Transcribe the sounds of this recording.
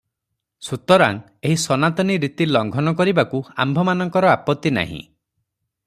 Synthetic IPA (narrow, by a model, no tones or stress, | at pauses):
sut̪ɔɾa̰ŋ | eɦisɔnat̪ɔniɾit̪ilɔŋɡʱɔnɔkɔɾibakua̰mbʱɔmanɔŋkɔɾɔapɔt̪ːina̰ɦḭ̃